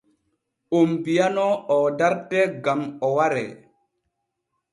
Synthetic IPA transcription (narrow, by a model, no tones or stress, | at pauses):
ombijanɔɔdaɾtɛɡamɔwaɾɛ̰